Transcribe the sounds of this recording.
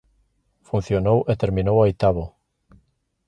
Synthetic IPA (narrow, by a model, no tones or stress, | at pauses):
fun̟θjonowʔet̪eɾmĩnowaojt̪aβo